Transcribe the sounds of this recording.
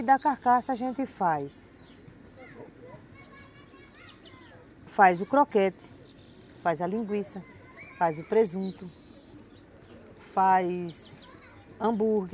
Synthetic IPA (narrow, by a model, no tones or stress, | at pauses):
d̪ɐkaɾkasɐaʒẽnt̪ɪfajs | fajzʊkɾɔkɛt̪ɪ̥ | fajzɐlĩɡwisɐ | fajzʊpɾezũt̪ʊ | fajs | ɐ̃buɾɡ